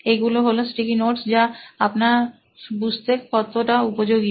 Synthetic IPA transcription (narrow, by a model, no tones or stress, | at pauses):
eɡuloɦolosʈikinoʈsd͡ʑaapna | bud͡ʑʱt̪ekpɔt̪ːoʈaupod͡ʑoɡi